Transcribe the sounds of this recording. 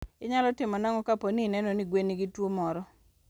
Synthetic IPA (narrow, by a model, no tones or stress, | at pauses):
ɪɲalɔtɪmɔnaŋɔkaponinɛnoniɡweniɡitwomɔɾɔ